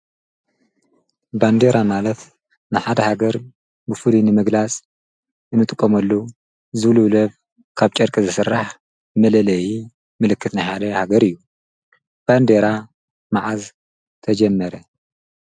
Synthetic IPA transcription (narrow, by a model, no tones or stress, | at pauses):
band̪eɾamalɐt̪ | nɨħad̪ɐhaɡɐɾ | bɨfɨlinɨmɨɡlat͡sʼ | ʔɨnːɨt̪ʼɨkʼːomɐlːo | zɨβluβlɐβ | kʰaβt͡ʃʼɐɾkʼizɨsɨrːaħ | mɐlɐlɐji | mɨlɨkʰːɨt̪najħad̪ɐhaɡɐɾɨjːu | b̥and̪eɾa | maʕaz | t̪ʰɐd͡ʒɐmːɐɾɐ